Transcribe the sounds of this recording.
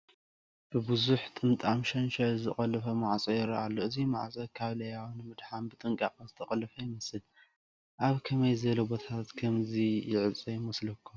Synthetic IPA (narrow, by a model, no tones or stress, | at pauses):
b̥ɨbɨzuħt̪ʼɨnt̪ʼamʃɐnʃɐzɨχʼɐlɨfɐmaʕt͡sʼɐjɪɾɐʔalːoɨzimaʕt͡sʼɐkʰaβlɐjawnɨmɨd̪ħambɨt̪ʼɨŋkʼa̰qʼɐzɨt̪ʰɐχʼɐlɐfɐjɪmɐsɨl | ʔaβkʰɐmɐjzɐlobot̪ʰat̪kʰɐmzijɪʕɨt͡sʼɐjɪmɐslɐkʰːu